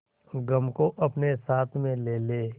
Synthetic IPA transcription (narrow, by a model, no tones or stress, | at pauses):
ɡəmkoʔɐpnesaːt̪ʰmẽleːleː